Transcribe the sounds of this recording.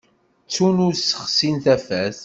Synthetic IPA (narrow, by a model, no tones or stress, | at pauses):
t͡sːunuɾsə̥χsinθæfæθ